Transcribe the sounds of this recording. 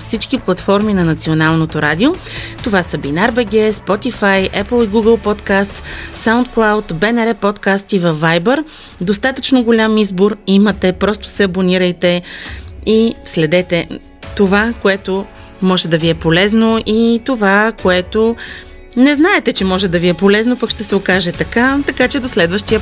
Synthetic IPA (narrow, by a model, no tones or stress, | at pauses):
fsit͡ʃkiplˠɐt̪fɔɾminɐnɐt̪sionalˠnot̪oɾad̪ʲio | t̪ovasəbinaɾbɛɡʲɛspɔt̪ifajʔɛplˠiɡuɡəlˠpɔt̪kast̪ssawnt̪klˠawt̪bɛnɛɾɛpɔt̪kast̪ivɐvːajbəɾ | d̪ost̪at̪ət͡ʃnoɡolʲamizboɾimət̪ɛpɾɔst̪ʊ̥sɛɐboniɾəjt̪ɛ | islɛd̪ɛt̪ɛ | t̪ovakoɛt̪o | mɔʒɛd̪ɐviɛpolɛznoʔit̪ovakoɛt̪o | nɛznaɛt̪ɛt͡ʃɛmɔʒɛd̪ɐviɛpolɛznopəkʃt̪ɛsɛokaʒɛt̪ɐkat̪ɐkat͡ʃɛd̪oslɛd̪vəʃt̪iə